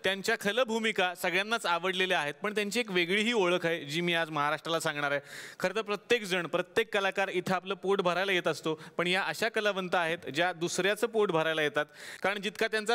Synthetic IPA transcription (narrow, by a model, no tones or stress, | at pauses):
t̪jaɲt͡ɕjakʰələːbʱumikasəɡɭjanːat͡saʋəɽleleaɦet̪̚pəɳt̪jaɲt͡ɕiːekʋeɡɭiːɦiːoɭəkʰajd͡ʑiːmiːad͡zməɦaɾaʂʈɾalasãŋɡɳaɾajkʰəɾet̪əɾpɾət̪jekd͡zəɳpɾət̪jekːəlakaɾit̪ʰəapləːpoʈbʱəɾajlajet̪əst̪opəɳjaʔəɕakəlaʋənt̪aːɦet̪d͡ʑjad̪usɾjat͡səːpoʈbʱəɾajlajet̪at̪kaɾəɳd͡ʑit̪kat̪jant͡sa